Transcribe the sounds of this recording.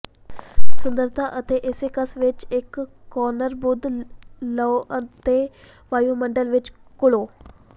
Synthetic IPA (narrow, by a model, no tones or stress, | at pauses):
sund̪əɾt̪ʰaʔət̪ʰeʔesekəsʋet͡ɕekːɔnəɾbud̪ləət̪e | ʋajuməɳɖəlʋet͡ɕkuɭo